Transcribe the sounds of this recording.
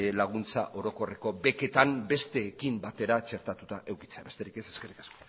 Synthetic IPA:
laɣ̞unt͡sa̰ʔo̞ɾo̞ko̞re̞ko̞be̞ke̞t̪ambe̞st̪e̞ːkimbat̪e̞ɾat͡ʃe̞ɾt̪at̪ut̪aʔe̞wki̥t͡seaβe̞st̪e̞ɾike̞seske̞rikḁskoo̥

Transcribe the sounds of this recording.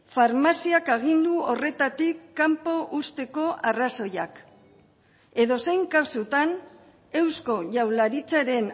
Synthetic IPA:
faɾmasiakaɣ̞ind̪uo̞re̞t̪at̪ikːampo̞ʔust̪e̞ko̞ʔaraso̞jak | e̞ðo̞se̞jŋkasut̪an | e̞wsko̞ʝawlaɾit͡saɾe̞n

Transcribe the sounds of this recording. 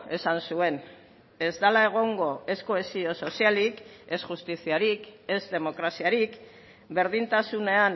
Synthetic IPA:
e̞sansue̞n | e̞zd̪alae̞ɣ̞o̞ŋɡo̞e̞sko̞esio̞so̞sialike̞sʝust̪isiaɾike̞zd̪e̞mo̞kɾasiaɾik | be̞ɾðint̪asune̞an

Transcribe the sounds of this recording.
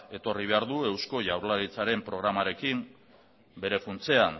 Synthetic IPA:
e̞t̪o̞riβ̞e̞aɾðue̞wsko̞ʝawɾlaɾit͡saɾe̞mpɾo̞ɣ̞ɾamaɾe̞kim | be̞ɾe̞funt͡se̞an

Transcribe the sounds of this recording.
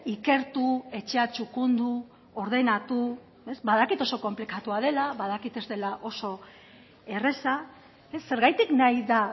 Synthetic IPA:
ike̞ɾt̪ue̞t͡ʃe̞at͡ʃukund̪u | o̞ɾð̞e̞nat̪u | e̞zbaðakit̪o̞so̞ko̞mplikat̪uað̞e̞laβaðakit̪e̞zt̪e̞laʔo̞so̞ | e̞re̞sa | e̞sːe̞ɾɣajt̪iknajða

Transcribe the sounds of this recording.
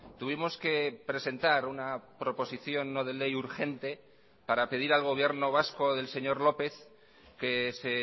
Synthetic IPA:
t̪uβ̞imo̞ske̞pɾe̞se̞nt̪aɾunapɾo̞po̞siθjo̞nːo̞ð̞e̞le̞juɾxe̞nt̪e̞ | paɾape̞ðiɾalɣ̞o̞β̞je̞ɾno̞β̞asko̞ðe̞lse̞ɲo̞ɾlo̞pe̞θ | ke̞se̞

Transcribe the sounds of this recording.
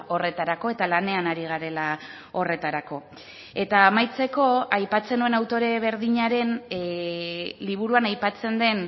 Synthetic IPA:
o̞re̞t̪aɾako̞e̞t̪alane̞anaɾiɣ̞aɾe̞la | o̞re̞t̪aɾako̞ | e̞t̪aːmajt͡se̞ko̞ajpat͡se̞nue̞nawt̪o̞ɾe̞β̞e̞ɾðiɲaɾe̞n | liβ̞uɾuanajpat͡se̞nd̪e̞n

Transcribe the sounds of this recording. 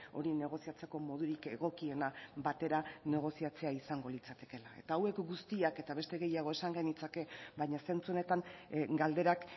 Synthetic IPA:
o̞ɾine̞ɣ̞o̞siat͡seko̞mo̞ðuɾike̞ɣo̞kie̞naβat̪e̞ɾane̞ɣ̞o̞siat͡se̞aisaŋɡo̞lit͡sat̪e̞̥ke̞lae̞t̪aːwe̞kɡust̪iake̞t̪aβe̞st̪e̞ɣe̞jaɣ̞o̞e̞saŋɡenit͡sake̞βajɲase̞nt͡sue̞ne̞t̪aŋɡald̪e̞ɾak

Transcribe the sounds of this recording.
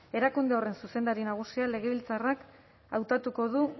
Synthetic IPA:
e̞ɾakund̪eo̞re̞nsuse̞nd̪aɾinaɣ̞usiale̞ɣ̞e̞β̞ilt͡sarak | awt̪at̪uko̞ðu

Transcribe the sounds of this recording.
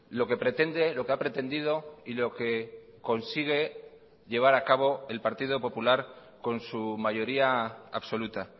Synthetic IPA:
lo̞ke̞pɾe̞t̪e̞nd̪e̞lo̞keapɾe̞t̪e̞nd̪ið̞o̞ilo̞ke̞ | ko̞nsiɣ̞e̞ | ʎe̞β̞aɾakaβ̞o̞e̞lpaɾt̪iðopo̞pulaɾ | ko̞nsumaʝo̞ɾiaa̰βso̞lut̪a

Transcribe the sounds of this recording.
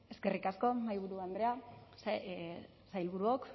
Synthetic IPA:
e̞ske̞rikasko̞majβuɾuand̪ɾe̞as | sajlβuɾuok

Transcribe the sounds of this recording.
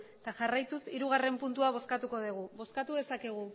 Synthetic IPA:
t̪aʝarajt̪usiɾuɣ̞are̞mpunt̪uaβ̞o̞skat̪uko̞ð̞iɣ̞uβo̞skat̪uðe̞sakeɣ̞u

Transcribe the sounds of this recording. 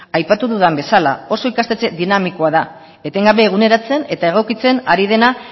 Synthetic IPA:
ajpat̪uðuðambe̞sala̰o̞so̞ikast̪e̞t͡se̞ðinamiko̞aða | e̞t̪e̞ŋɡaβe̞ːɣ̞une̞ɾat͡se̞ne̞t̪ae̞ɣ̞o̞kit͡se̞naɾið̞e̞na

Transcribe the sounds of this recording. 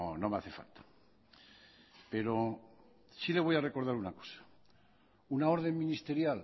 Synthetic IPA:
ono̞meaθe̞fa̰lt̪ḁ | pe̞ɾo̞ | sile̞β̞o̞jare̞ko̞ɾð̞aɾunako̥sḁ | unao̞ɾð̞e̞ŋmĩnist̪e̞ɾjal

